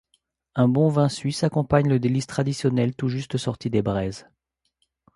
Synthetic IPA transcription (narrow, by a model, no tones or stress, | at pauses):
ɛ̃bɔ̃vɛ̃sɥisakɔ̃paɲləd̪elist̪χad̪isjɔnɛlt̪uʒyst̪sɔʁt̪id̪ebʁɛz